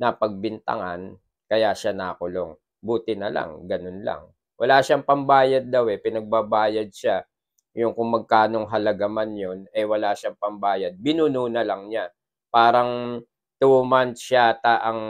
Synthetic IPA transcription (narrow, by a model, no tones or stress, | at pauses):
nɐpɐɡ̚bɪnt̪ɐ̰ŋan | kɐjaʃanaːkʊlo̞ŋ | buːt̪ɪnɐla̰ŋɡɐnonla̰ŋ | wʔɐ̰laʃaŋpɐmbaːjɐd̪̚ːawɛpɪnɐɡ̚babaːjɐd̪̚ʃa | jʊŋkʊŋmɐɡ̚kaːno̞ŋɦɐlɐɡamanjo̞nɛwɐlaːʃaŋpɐmbaːjɐd̪̚bɪnunuːnɐlɐŋɲa | paːɾɐŋ | t̪umant̪ʃat̪aʔɐŋ